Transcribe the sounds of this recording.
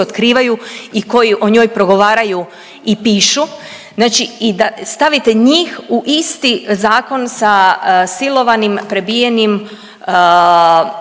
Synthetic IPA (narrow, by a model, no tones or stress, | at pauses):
ot̪kɾiːʋajuiko̞jiʔo̞ɲo̞ːjpɾo̞ɡo̞ʋaːɾaju | ipiːʃu | znaːt͡ʃiid̪ast̪aʋit̪eɲiːxuʔist̪izaːko̞nsasilo̞ʋanimpɾe̞bijenim